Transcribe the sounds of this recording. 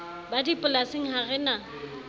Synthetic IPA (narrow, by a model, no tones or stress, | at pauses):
badipʼʊlasɪŋ̩haɣɛna